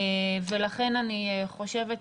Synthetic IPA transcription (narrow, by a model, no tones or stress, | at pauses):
velaχe̞naniχo̞ʃe̞vet